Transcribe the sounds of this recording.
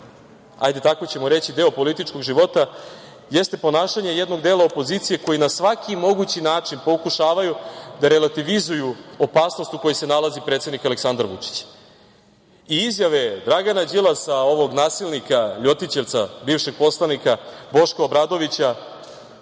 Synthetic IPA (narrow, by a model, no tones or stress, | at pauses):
a̰jd̪e̞t̪ako̞t͡ɕe̞moɾe̞t͡ɕid̪e̞opo̞lit̪it͡ʃko̞ɡʒiʋo̞t̪a | jest̪e̞po̞naːʃaɲe̞jed̪no̞ɡd̪eːlˠaopo̞zit̪sije̞ko̞jinasʋakʰimo̞ɡut͡ɕinaːt͡ʂinpo̞kuʃaːʋajud̪aɾe̞lat̪iʋizujuopaːsno̞st̪uko̞jese̞nalazipɾet̪sed̪nikale̞ksand̪aɾʋṵt͡ʂi̥t͡ɕ | iizjaʋed̪ɾaɡanad͡ʑilˠasao̞ʋo̞ɡnaːsilˠnikaʎo̞t̪it͡ɕe̞ʋt̪sabiːvʃeɡ̚po̞slˠanikabo̞ʃkoobɾaːd̪o̞ʋit͡ɕa